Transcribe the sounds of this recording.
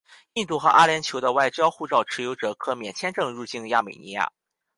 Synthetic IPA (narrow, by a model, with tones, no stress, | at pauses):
i˥˧nt̪u˥˩xɤ˧˥ʔa˥ljɛ˧˥nt͡ɕʰjo˧˥ʊd̪ə˧wa˥˩ɪt͡ɕjɑ˥ʊxu˥˧ʈ͡ʂɑ˥˩ʊʈ͡ʂ̩ʰ˧˥jo˧˥ʊʈ͡ʂɤ˨˩kʰɤ˥˩mjɛ˨˩nt͡ɕʰjɛ˥nʈ͡ʂɤ˥˧ŋɻu˥˧t͡ɕi˥˧nja˥˩mḛ˨˩ɪnḭ˧˥ja̰˥˩